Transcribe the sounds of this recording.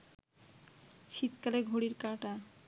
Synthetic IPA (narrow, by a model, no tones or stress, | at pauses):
ʃit̪kaleɡʱoɽiɾkaʈa